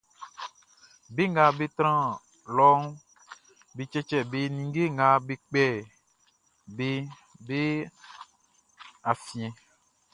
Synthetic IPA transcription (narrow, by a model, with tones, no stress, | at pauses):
be˦ŋɡa˨be˦t̪ɾã˦˨ | lɔ˦ŋ˦ | be˨t͡ʃɛ˦t͡ʃɛ˦be˦nĩ˨ŋ˦ɡe˦ŋɡa˨be˦k͡pɛ˦˨ | be˦ | be˦ | a˨fĩ˨ɛ̃˨